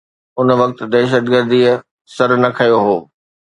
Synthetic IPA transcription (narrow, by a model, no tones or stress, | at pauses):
ʊn̆ʋɐk̚t̪̆d̪ɛːʃ̬əd̪ɡəɾd̪iə | sɐɾnɐkʰɐjoɦoː